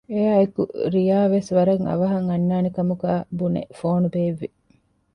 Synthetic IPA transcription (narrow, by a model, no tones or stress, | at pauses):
ejaːekṵɾijaːʋesʋɐɾɐŋɐ̰ʋɐɦɐŋɐnːaːnikɐmuɡaːbunḛfoːnubeːʋːi